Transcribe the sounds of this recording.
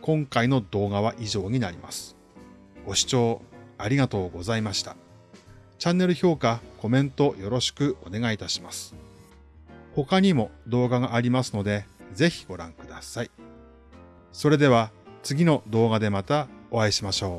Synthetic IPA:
kõ̞ŋkaino̞d̪o̞ːɡaβ̞aʔiʑo̞ːɲ̟inaɾʲima̰sɨ̥ | ɡ̥o̞ɕi̥t͡ɕo̞ːaɾʲiɡat̪o̞ːɡo̞zaimaɕi̥t̪ḁ | t͡ɕãnːe̞ɾɯ̟ço̞ːkako̞mẽ̞nt̪o̞jo̞ɾo̞ɕi̥kɯ̟o̞ne̞ɡait̪aɕi̥masɨ̥ | ho̞kaɲ̟imo̞d̪o̞ːɡaɡaʔːɾʲimasɨno̞d̪e̞ze̞çi̥ɡ̥o̞ɾã̰ŋkɯd̪asai | so̞ɾe̞d̪e̞βat͡sɨɡʲino̞d̪o̞ːɡad̪e̞mat̪ao̞βaiɕimaɕo̞ː

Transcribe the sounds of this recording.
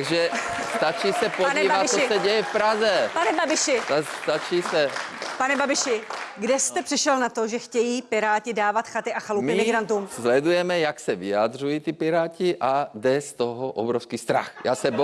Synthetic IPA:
ɡʒɛst̪at͡ʃiːsɛponiːvat̪t͡sːsɔsɛɟɛjɛfpɾazɛpanɛbabɪʃɪst̪at͡ʃiːsɛpanɛbabɪʃɪɡdɛst̪ɛpr̥ɪʃɛlnat̪oʒɛxcɛjiːpɪɾaːcɪdaːvat̪xat̪ɪʔaxalumɪmɪɡɾant̪uːmzlɛd̪ujɛmɛjaksɛvɪjad̪r̝ujiːt̪ipɪɾaːciʔaɡd̪ɛst̪oɦɔʔɔbɾɔfwskiːst̪ɾa̰xja̰ːsɛb

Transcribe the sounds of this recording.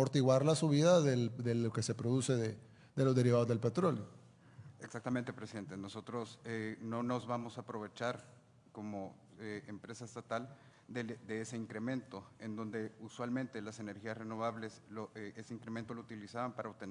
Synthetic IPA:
oɾt̪iɣwaɾlasuβiðaðeðeloke̞se̞pɾo̞ðuse̞ðe | ðe̞lo̞zðe̞ɾiβ̞aðo̞zðelpe̞t̪ɾo̞ljo̞ | eksakt̪ament̪epɾesiðent̪eno̞so̞t̪ɾo̞seno̞no̞zβamo̞saːpɾo̞β̞e̞t͡ʃaɾ | ko̞mo | eempɾe̞saest̪at̪al | d̪ed̪eese̞iŋkɾe̞mẽ̞nt̪o̞e̞nd̪o̞nd̪e̞uswalmẽ̞nt̪e̞lase̞ne̞ɾxiasreno̞βaβle̞sloeʔeseiŋkɾement̪olout̪ilisaβampaɾaoβt̪en

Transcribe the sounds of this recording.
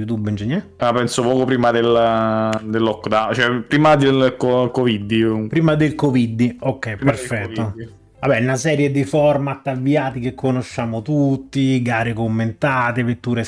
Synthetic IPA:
ut̪ubind͡ʒenːɛ | apɛnsopɔːkopɾiːmad̪el | d̪elːɔkːd̪at͡ʃoɛpːɾiːmad̪elkokovid̪ːipɾiːmad̪elkovid̪ːiokːɛjperffɛt̪ːo | vabɛnasɛːɾjed̪ifɔrmat̪ːavːiaːt̪ikekʰːonoʃːaːmot̪ut̪ːiɡaːɾekomːent̪aːt̪evet̪ːuːɾe

